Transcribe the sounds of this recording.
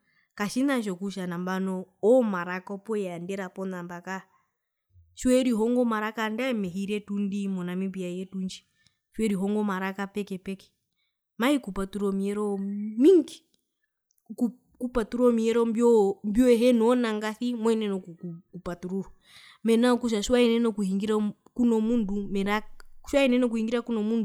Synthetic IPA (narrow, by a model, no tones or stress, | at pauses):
kaʃinaʃɔkuʃanambanɔɔmaɾakɔpɔjandɛɾapɔnambaka | t͡ʃwɛɾiɦɔŋɡɔmaɾakandaɛmɛɦiɾɛtundimɔnamimbiajɛtund͡ʒi̥ | fwɛɾiɦɔŋɡɔmaɾakapɛkɛpɛkɛ̥ | mahikupatuɾɔmiɛɾɔmiŋɡi | ku | kupatuɾɔmiɛɾɔmbjɔmbjɔɛɦɛnɔnaŋɡaθimwɛinɛnɔkuukupatuɾuhɔ | mɛnaɔkuʃ̬aʃwainɛnɔkuhiŋɡiɾa | kunɔmundumɛɾaʃwainɛnɔkuhiŋɡiɾakunɔmundu